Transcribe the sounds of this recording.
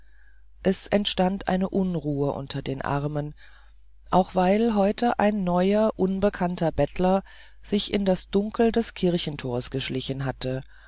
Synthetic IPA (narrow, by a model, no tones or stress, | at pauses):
ʔɛsɛntʃtantʔa̰ɪnəʔʊnʁuːəʔʊ̰ntʰɐdeːnʔa̰ɐmən | ʔa̰ʊxv̥aɪlɦɔʏtʰəʔa̰ɪnːɔʏɐʔʊnbəkʰantɐbɛtʰlɐ | z̥ɪçɪndasd̥ʊŋkl̩dɛskʰɪɐçn̩tʰoːɐsɡ̥əʃlɪçn̩ɦatə